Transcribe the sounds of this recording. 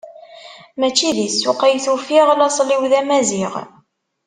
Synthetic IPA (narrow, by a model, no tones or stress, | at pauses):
mæt͡ʃːiðisːʊqæjθufiʁlɑsˤliwðæmæziʁ